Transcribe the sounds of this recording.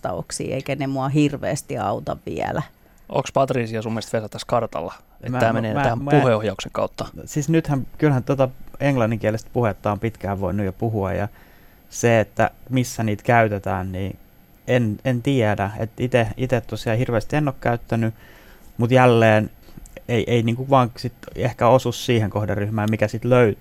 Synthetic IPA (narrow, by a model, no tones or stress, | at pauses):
t̪ɑ̰o̰ksḭːḛikænemuɑɦirʋḛːst̪iɑ̰ut̪ɑ̰ʋʋḭæ̰læ | o̰kspɑt̪riːsiɑsumːest̪ʋesɑt̪ːæskɑrt̪ɑ̰lːɑ | etmæt̪ːæːmeneːnæt̪æhæmpuheohjɑukseŋkɑut̪ːɑsisnyt̪hæmkylhænt̪uot̪ɑeŋlɑnːiŋkiælest̪̚puhet̪ːɑompit̪kæːʋʋoinːujɑpuɦuɑ̰jjɑ̰ | seet̪ːæ̰misːæniːt̪kæyt̪et̪æːnniː | enent̪iedæḛt̪it̪eit̪et̪t̪osiɑhirʋeːst̪ienːokkæyt̪ːæny | mut̪jælːeːneiʔeiniːŋkuʋɑːŋsit̪ehkæosussiːheŋkohdɑrːyhmæːmmikæsit̪løyt̪